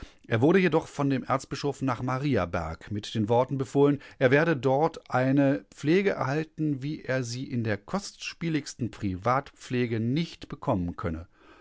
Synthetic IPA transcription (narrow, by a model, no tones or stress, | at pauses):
ʔeːɐvʊɐɾəjedɔχfɔndeːmʔɛ̰ɐt͡stb̥ɪʃoːfnaːχmaʁiːabɛ̰ɐkmɪtd̥eːnvɔɐtn̩bəfoːlənʔeːɐveːɐɾədɔɐtʔaɪnəp͡fleːɡəʔɛ̰ɐhaltn̩viːʔeːɐziːʔɪndeːɐkʰɔstʃpiːlɪçstn̩pʁ̥ivaːtp͡fleːɡənɪçtb̥əkʰɔmənkʰœnə